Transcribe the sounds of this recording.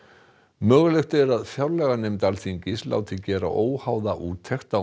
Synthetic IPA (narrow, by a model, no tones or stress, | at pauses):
mœːɣʏlext̪ʏɛɾaðfjawɾlɛːɣaneːmt̪alθiɲcɪsla̰ːwt̪ʰɪlcɛːɾa̰ʔoːwhaːwðaʔuːt̪ʰɛxt̪a